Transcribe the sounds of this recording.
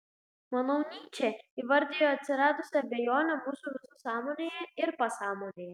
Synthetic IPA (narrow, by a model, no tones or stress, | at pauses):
mɐnoʊnʲiːt͡ʃʲeiʋɐɾʲd̪ʲejoːɐt̪ʲsʲɪɾɑːd̪ʊsʲɐbʲɛjoːnʲɛmuːsuʋʲɪsusɑːmoːnʲejɛɪɾpɐsɑːmoːnʲejɛ